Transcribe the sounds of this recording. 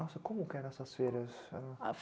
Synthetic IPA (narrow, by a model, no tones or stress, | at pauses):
ɔsɐkõmʊkɛnɛsɐsfɛɾɐsɐaf